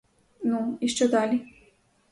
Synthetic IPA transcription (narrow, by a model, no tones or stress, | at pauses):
nuiʃt͡ʃɛd̪aːli